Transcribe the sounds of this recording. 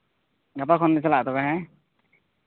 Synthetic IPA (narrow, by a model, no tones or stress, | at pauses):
ɡapakʰɔndisalatɔkaɦã